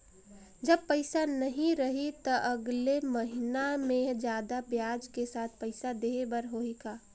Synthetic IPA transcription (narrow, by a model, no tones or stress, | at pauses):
d͡ʒɐb̚pəɪsanəɦĩɾəɦit̪ɔʔɐɡleməɦɪnamẽd͡ʒjaːd̪abjaːd͡ʒkesaːt̪̚ʰpəɪsad̪eːbəɾɦoikaː